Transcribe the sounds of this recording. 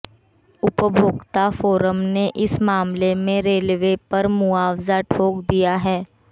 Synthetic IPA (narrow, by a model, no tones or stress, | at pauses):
ʊpəbʱʊːɡt̪afoːɾəmneʔɪsmaːmlemẽɾeːlʋepɐɾmʊaːwzaʈʰoːkd̪ijaɦɛː